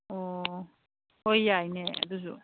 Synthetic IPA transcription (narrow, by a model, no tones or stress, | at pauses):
ɔ | hojːajneɐ̰d̪usṵ